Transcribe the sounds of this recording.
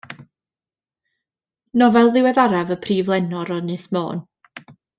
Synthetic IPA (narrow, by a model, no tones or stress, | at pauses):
nɔvɛlˠðɪwɛðaɾavəpʰriːvlˠɛnɔɾɔnɨsmo̰ːn